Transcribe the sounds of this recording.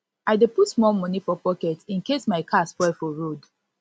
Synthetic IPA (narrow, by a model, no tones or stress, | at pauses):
aɪdeputmɔmɔ̃nifɔpɔkɛtĩnkesmaɪkʰasfɔɪfɔɹod